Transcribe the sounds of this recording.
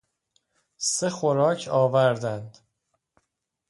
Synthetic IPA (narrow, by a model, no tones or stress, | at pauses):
se̞xoɾɒːcʰɒːvæɾd̪ænd̪̥